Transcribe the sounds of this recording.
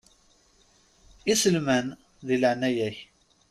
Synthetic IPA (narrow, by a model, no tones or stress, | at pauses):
isəlmæn | ðiləʕnæjæç